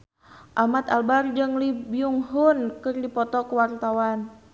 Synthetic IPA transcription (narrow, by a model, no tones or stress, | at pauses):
ʔamat̪albard͡ʒɨŋlibiuŋɦunkɨrdipɔt̪ɔkəwart̪awan